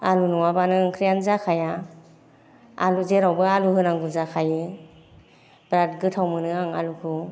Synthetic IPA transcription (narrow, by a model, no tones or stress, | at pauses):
alunuwabanɯŋkʰɾijanzakʰaja | aluzeɾawbɯaluhɯnaŋɡuzakʰajɯ | bɾat̚ɡɯtʰawmɯnɯaŋa̰lukʰɯ